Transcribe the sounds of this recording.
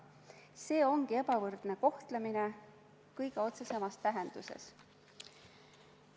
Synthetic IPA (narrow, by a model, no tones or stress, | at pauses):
se̞ːo̞ŋɡie̞pɑvɤrd̪̥neko̞ht̪lemine̞ | kɤjɡe̞o̞t̪se̞se̞mɑst̪æɦe̞nd̪̥usḛs